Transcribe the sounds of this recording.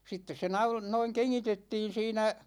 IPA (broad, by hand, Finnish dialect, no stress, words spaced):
sitːes se nɑul noiŋ keŋːitetːiːn siːnæ